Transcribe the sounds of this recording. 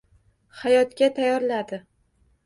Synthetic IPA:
hajɒt̪kʲat̪ʰajɒɾlad̪ɪ

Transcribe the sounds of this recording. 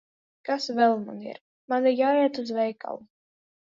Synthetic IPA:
kasvɛlˠmanḭɾ | maniɾjaːɛt̪uzvɛjka̰lˠu

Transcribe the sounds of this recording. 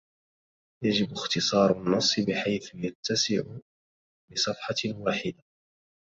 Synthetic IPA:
jad͡ʒɪbʊxt̪ɨsˤɑːɾˤanːɑsˤːɨbɪħajθʊjat̪ːasɪʕʊ | bɪsˤɑfħɑwaːħɪd̪a

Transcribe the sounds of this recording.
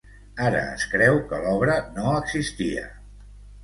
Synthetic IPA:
aɾə̰ːskɾɛwkəlɔβɾənoəɡzist̪iə̰

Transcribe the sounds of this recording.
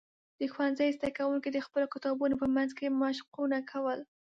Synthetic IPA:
d̪̥əxwanzajzd̪akawuŋkid̪əxpəlokɪt̪ɑbunopəmanzkemɑʃqunakʰawəl

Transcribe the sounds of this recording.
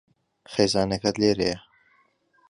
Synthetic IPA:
χeːzɑːnɐkɐd̪leːɾejɐ

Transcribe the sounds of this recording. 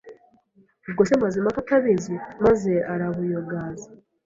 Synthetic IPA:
ubɡosemazemafataβizimaze̞aɾaβujoɡaːza

